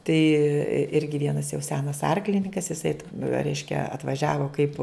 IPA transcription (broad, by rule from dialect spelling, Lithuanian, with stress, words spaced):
tɐɪ ˈɪrʲɡʲɪ ˈʋʲiɛnɐs jɛʊ ˈsʲæːnɐs ˈɐrklʲɪnʲɪŋkɐs ɪˈsɐɪ rʲɛɪʃʲkʲɛ ɐtʋɐˈʒʲæːʋoː kɐɪp